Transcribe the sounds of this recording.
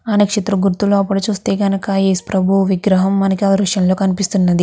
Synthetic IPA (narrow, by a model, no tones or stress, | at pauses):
ɐnɐkʂit̪ɾɐɡuɾt̪uloːɐpːuɽut͡ʃuːst̪eːɡɐnɐkɐeːspɾɐbʱuʋiɡɾɐɦɐmːɐnɐkiɐɐɾuʂjɐnlo̞ːkɐnipist̪unːɐd̪i